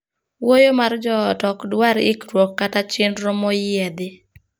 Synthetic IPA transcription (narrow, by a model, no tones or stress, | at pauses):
wojomard͡ʒɔːtɔkdwaɾɪ̰kɾwokːatat͡ʃɪnɾɔmɔjɛd̪ɪ